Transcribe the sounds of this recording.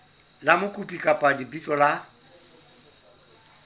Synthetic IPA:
lamʊkʼupʼikʼapʼadibit͡sʼɔla

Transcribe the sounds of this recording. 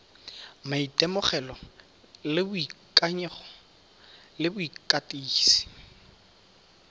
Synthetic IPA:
maitʼɛmʊχɛlɔ | lɪbʊikʼaɲɛχɔ | lɪbʊikʼatʼiːsi̥

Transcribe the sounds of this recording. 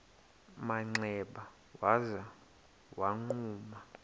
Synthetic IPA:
maŋ͡ǀɛɓa | waza | waŋ͡ǃuːma

